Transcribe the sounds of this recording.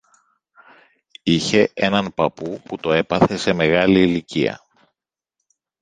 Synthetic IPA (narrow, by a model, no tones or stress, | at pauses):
içe̞e̞nɐnpɐpuput̪o̞e̞pɐθe̞se̞me̞ɣɐliːliciɐ̰